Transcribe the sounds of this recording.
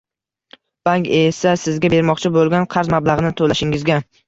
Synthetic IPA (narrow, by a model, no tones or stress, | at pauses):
b̥aŋkʲesasɪzɡʲabe̞ɾmɒqt͡ʃʰɪbolˠɡʲanqʰɑɾzmablˠaʁɨnɪt̪ʰolaʃɪŋɪzɡʲa